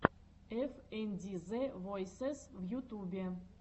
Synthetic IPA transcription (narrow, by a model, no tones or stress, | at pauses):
efenʲd̪ʲizevojsesvjut̪ubʲe